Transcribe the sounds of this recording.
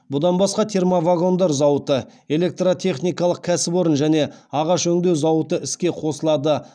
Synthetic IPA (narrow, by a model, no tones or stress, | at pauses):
bʊd̪ɑnbɑsqɑt̪ʰe̞rmovaɡo̞nd̪ɑɾzɑwət̪əe̞le̞k̚t̪rot̪ʲʰe̞χnijkɑlˠəq̚kʲʰæsɪpo̞ɾənʒæne̞ɑʁɑʃɵŋd̪e̞wzɑwət̪əɪskʲe̞qʰo̞səlˠɑd̪ə